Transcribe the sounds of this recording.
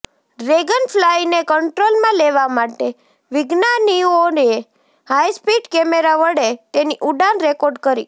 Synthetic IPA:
ɾeɡənfʰlajnekəɳʈɾolmãleʋamaʈe | ʋɪɡnaniuoɾe | hajspiɖkɛmeɾaʋəɽet̪eniʔuɖanɾekoɾɖkəɾḭ

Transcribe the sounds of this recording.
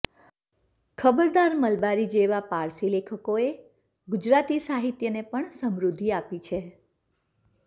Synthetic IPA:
kʰəbəɾd̪aɾməlbaɾid͡ʒeʋapaɾsilekʰəkoe | ɡʊd͡ʒɾat̪isaɦit̪jənepəɳsəmɾud̪ʱːiapit͡ʃʰe

